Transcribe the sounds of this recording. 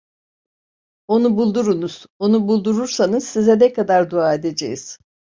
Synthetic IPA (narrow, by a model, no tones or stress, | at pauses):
o̞nubulˠd̪uɾunuz̥o̞nubulˠd̪uɾuɾsanɯz̥sizɛnɛkʰad̪aɾd̪uaːe̞d̪ed͡ʒḛjiz̥